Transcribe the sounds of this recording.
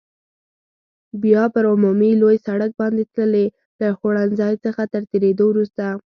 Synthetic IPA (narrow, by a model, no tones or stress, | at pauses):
bjɑpəɾʊmumilojsaɽək̚bɑnd̪et̪ləle | ləxoɽanzɑjt͡səxat̪əɾt̪eɾed̪owɾust̪a